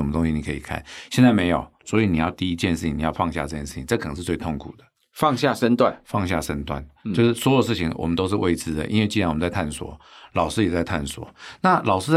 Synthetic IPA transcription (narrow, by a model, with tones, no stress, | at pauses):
ə˩mə˦t̪o˥ŋɕi˧ni˨˩kʰə˧˥i˨˩kʰa̰˥˩nɕjɛ˥˧nt͡sa˥ɪme˧˥ɪjo˨˩ʊswɔ˧˥i˧˨ni˨˩jɑ˥˧ʊt̪i˥˧i˧˥t͡ɕjɛ˥˧nʂɻ̩ʰ˥˩i˨˦ni˨˩jɑ˥˧ʊfɑ˥˧ŋɕja̰˥˧ʈ͡ʂɤ˥˧t͡ɕjɛ˥˧nʂɻ̩˥˩t͡ɕʰi˨˦˧ʈ͡ʂɤ˥˩k̪ʰə˧˥ʂɻ̩˧t͡swe˥˧ɪt̪ʰo˥˩ŋkʰu˨˩d̪ə̥˦ | fɑ˥˧ŋɕja˥˨ʂə˥nt̪wa˥˨nfɑ˥˧ŋɕja̰˥˩ʂə˥nt̪wa̰˥˨˩nt͡ɕo˧ʊʂ̩˥˩swɔ˧˥jo˨˩əʂɻ̩˥˩t͡ɕʰi˨˦ŋwʔɔ̰˨˩mə˦nt̪o˥ʊʂ̬ɻ̩˥˧we˥˧ɪt͡sɹ̩˥d̪ə̰˨ʔḭ˥nwe˥˧t͡ɕi˥˧a˧nwə˦t͡sa˥˧ɪt̪ʰa˥˩nswɔ̰˨˩˦ | lɑ˨˩ʊʂɻ̩˥jɛ˨˩t͡sa˥˧ɪt̪ʰa˥˩nswɔ̰˨˩˦na˥˨lʔɑ˨˩ʊʂɻ̩˥